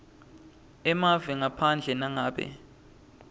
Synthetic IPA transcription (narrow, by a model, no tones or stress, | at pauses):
ɛmavɛŋapʰand͡ɮʱɛnaŋaːɓɛ̰